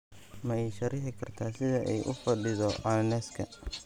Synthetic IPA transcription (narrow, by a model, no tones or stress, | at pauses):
mɐɛjʃɐɾɪħɪkʰɐrt̪ʰaːsɪðɐʔɛjʔʊ̰fɐɖɪðɔʔɐnɛskʰɐ̰